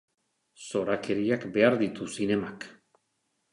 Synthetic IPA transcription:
so̞ɾakʰe̞ɾiakbe̞aɾðit̪usine̞mak

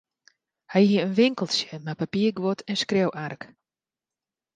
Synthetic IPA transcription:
hɛjhiəənʋɪŋkəlˠsjəmapapiərɡʋotʰɛnskrowʔark

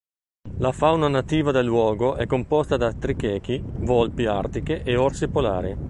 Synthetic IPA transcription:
lafawnanat̪iːvad̪elːwɔːɡoʔɛkːompɔst̪ad̪at̪ɾikɛːk̟ivɔlpia̰rt̪ikeʔeɔrsepola̰ːɾi

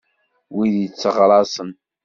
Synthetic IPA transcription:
wiðjət͡sːəʁɾˤɑsən

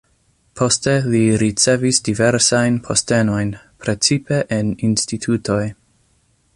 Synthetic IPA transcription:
pʰo̞ste̞liɾit͡se̞visdive̞ɾsajnpʰo̞ste̞no̞jn | pɾe̞t͡sipe̞ʔeninstitʰutʰo̞j

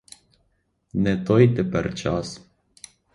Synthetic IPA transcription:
net̪ojd̪epɛrt͡ʃas

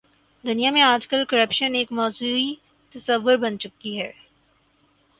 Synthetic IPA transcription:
d̪ʊnijamẽaːd͡ʒkəlkəɾəpʃəneːkmɔːzuːi | t̪ɐsəʋːʊɾbɐnt͡ʃʊkiɦɛː

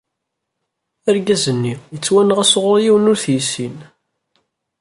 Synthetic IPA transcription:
əɾɡæzənːijət͡sːwænəʁæsʁʊɾˤjiwənʊɾθjisin

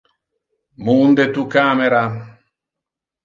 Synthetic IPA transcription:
mund̪et̪ukameɾa

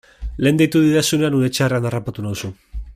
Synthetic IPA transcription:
le̞ːnd̪ejt̪uðiðasune̞anuɾet͡ʃeare̞anarapat̪unausu

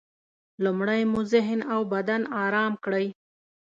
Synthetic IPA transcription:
lumɽajmuzɪɦnawbad̪anɑɾɑmkɽəj

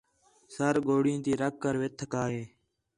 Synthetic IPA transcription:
səɾɡoːɽĩːt̪iːɾəkːəɾʋɪt̪ʰkaːɦeː

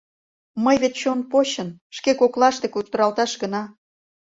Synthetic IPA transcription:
məjβet̪t͡ɕonpoɕənʃkekoklɑʃt̪ekut̪ə̆ɾɑlt̪ɑʃɡənɑ

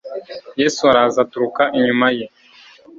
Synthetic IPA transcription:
jeːsuaɾazatuɾukaʔiɲumaje

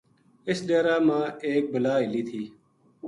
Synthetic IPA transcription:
ɪsɗeːɾaːmãːeːk̚bəlaːɦɪliːt̪ʰiː

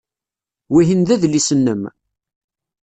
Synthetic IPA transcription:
wiɦinðæðlisənːəm

